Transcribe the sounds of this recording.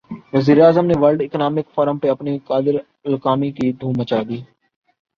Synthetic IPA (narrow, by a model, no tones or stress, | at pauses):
ʋəziːɾeaːzəmneʋəɾɖɪknaːmɪkfɔːɾəmpeɐpnikaːd̪ɪɾ | lkaːmikid̪ʱuːmət͡ʃaːd̪iː